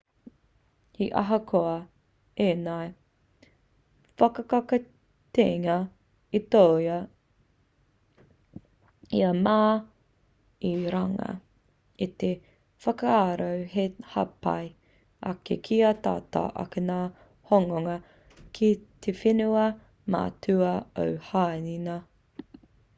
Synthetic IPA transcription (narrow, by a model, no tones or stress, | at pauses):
iʔɐ̰ɦɐkʰoɐ | eːnɐj | fɐkɐkɐkɐ | t̪eːŋɐ | it̪owjɐ | iɐmaː | iɾɐŋɐ̰ | it̪e | fɐkɐaɾowhehɐpa̰j | ʔɐ̰kḛkʰiɐt̪a̰ːt̪a̰ːʔɐ̰kenaː | hoŋoŋɐ | kʰit̪ʰefinuɐ | ma̰tʰʉɐo̰whaːninɐ